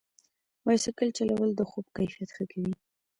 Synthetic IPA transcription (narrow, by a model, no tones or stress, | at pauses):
wajsəkəlt͡ʃalawəld̪əxob̚kajfijat̪xəkawi